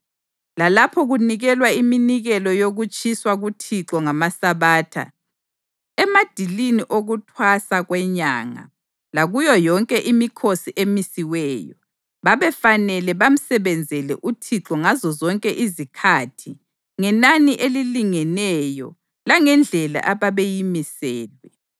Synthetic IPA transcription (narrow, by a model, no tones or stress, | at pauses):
lalapʰɔɣuniɣɛlwaiminiɣɛlɔjoɣut͡ʃʼʰiswaɣutʰiǁɔŋamasaβaːtʰa̰ | ɛmad̥ʱiliniʔoɣutʰwasaɣwɛɲa̰ːŋa̰ | laɣujɔjɔŋkʼɛʔimikʰosiʔemisiwɛːjɔ | βaβɛfanɛlɛβam̩sɛβɛnd͡zʱɛlɛ̰ʔutʰiǁɔŋazɔzɔŋkʼɛʔizikʰatʰi | ŋɛnaniʔeliliŋɛnɛjɔ̰ | laŋɛnd͡ɮʱɛla̰ʔaβaβejimisɛːlwɛ